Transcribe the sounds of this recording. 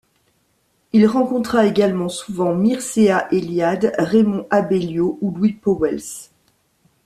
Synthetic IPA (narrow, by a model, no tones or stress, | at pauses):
ilʁɑ̃kɔ̃t̪χaeɡalmɑ̃suvɑ̃miʁseaʔeljad̪ʁemɔ̃ʔabeljoulwipɔwɛls